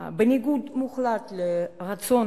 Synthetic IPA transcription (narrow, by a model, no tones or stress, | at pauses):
bənʲɪɡud̪muχlat̪leʁason